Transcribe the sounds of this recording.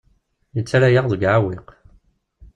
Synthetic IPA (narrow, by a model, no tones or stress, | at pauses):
jət͡sːaɾæjaʁðəɡʕawɪq